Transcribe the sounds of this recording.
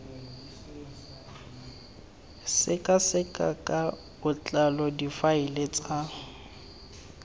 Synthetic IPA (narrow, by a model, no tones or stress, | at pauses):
sɪkʼasɪkʼa̰kʼa | bʊt͡ɬʼalɔdifaɪlet͡sʼa